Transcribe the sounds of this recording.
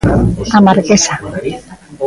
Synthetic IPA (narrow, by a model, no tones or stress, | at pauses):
amaɾkesa